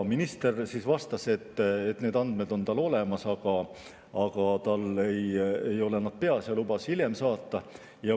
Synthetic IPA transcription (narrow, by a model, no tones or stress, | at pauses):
minist̪e̞rsiːsvɑst̪ɑse̞t̪ːet̪ːne̞ːd̪ɑnd̪̥me̞d̪o̞nt̪ɑlo̞le̞mɑsɑɡ̥ɑ | ɑɡ̥ɑt̪ɑlejejo̞lenɑd̪̥̚pe̞ɑsjɑlubɑshilje̞msɑːt̪ːɑ | jɑ